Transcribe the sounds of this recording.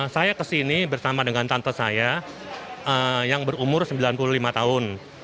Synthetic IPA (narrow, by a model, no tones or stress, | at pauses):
sajakəsinibərsamadəŋant̪ant̪asaja | ʔəjaŋbəɾumʊrsəmbilanpululimat̪aɦʊn